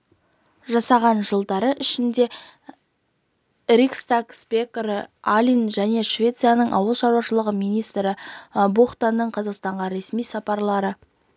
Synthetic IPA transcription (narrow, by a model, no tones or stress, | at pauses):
ʒɑsɑʁɑnʒəlˠd̪ɑɾəʔɪʃɪnd̪e̞ | ɾikst̪akspʲekɾəalʲinʒæne̞ʃvʲe̞t̪sɨjanəɴʔɑ̰wəlˠʃɑɾwɑʃəlˠəʁəmijnijst̪ɾɪboχt̪anːəɴqʰɑzɑqst̪ɑɴʁɑɾe̞smijsɑpɑɾlˠɑɾə